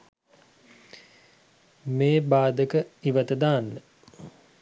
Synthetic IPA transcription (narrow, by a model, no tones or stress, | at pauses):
meːbaːd̪əkəiʋət̪əd̪aːnːə